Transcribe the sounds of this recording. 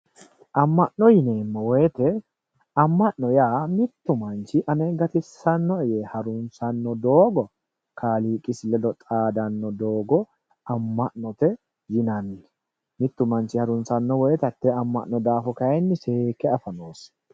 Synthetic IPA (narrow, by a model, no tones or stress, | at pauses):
ʔɐmːɐʔnɔjɪneːmːɔwɔjɛt̪ɛ | ɐmːɐʔnɔjaːmɪt̪ːʊmɐnt͡ʃɪʔɐneːɡɐt̪ɪsːɐnːɔɛjehɐɾʊnsɐnːɔd̪oːɡɔ | kʰaːliːkʼɪsɪlɛd̪ɔt̪ʼaːd̪ɐnːɔd̪oːɡɔ | ɐmːɐʔnɔt̪ɛ | jɪnɐnːɛ | mɪt̪ːʊmɐnt͡ʃɪhɐɾʊnsɐnːɔwɔjɛt̪ɐt̪ːɛɐmːɐ̰ʔnɔd̪aːfɔkɐjɛnːɪse̞ːkɛɐfɐnoːs